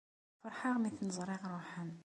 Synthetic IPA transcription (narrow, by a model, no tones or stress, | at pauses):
fɑɾˤħaʁmiθnəzˤɾˤɪʁɾˤuħəm